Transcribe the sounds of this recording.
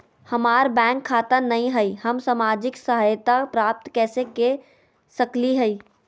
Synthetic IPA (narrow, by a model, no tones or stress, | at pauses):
hɐmaːɾbɛ̃ːkʰːaːt̪anɐɦĩɦəihəmsamaːd͡ʒɪksəɦəjt̪apɾaːp̚t̪kɛːseke | sɐkliɦəiː